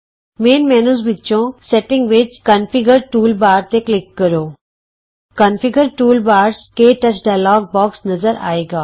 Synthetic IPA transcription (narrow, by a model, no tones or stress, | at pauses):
meːnmɛːnuːzbɪtːʃõsɛʈɪ̃ŋɡʋɪt͡ʃkɐnfɪɡəɾʈuːlbaːɾt̪eklɪkːɐɾoː | kɐnfɪɡəɾʈuːlbaːɾskeʈɐt͡ʃɖaːjlɔːɡ̚bɔːksnɐzəɾa̰ːeːɡaː